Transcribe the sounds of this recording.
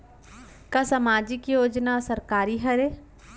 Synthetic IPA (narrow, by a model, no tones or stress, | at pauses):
kasɐmaːd͡ʒɪkjoːd͡ʒnasɐɾkaːɾiɦɐɾe